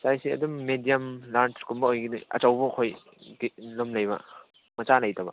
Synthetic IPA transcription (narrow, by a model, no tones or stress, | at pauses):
sajsiɐ̰dumːedijɐmlant͡ʃkumbɐojɡiniɐ̰t͡ʃɐwbuːkʰoj | ɡilomlɐjbɐ̰ | mɐt͡ʃalɐjtɐbɐ̰